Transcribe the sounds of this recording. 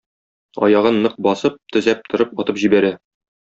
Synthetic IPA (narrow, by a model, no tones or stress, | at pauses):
ɒ̰jɑʁɤnːɤq̚bɒsɤp̚t̪ɵ̆zæp̚t̪ʰŏɾɤp̚ɒt̪ɤpʑibæɾæ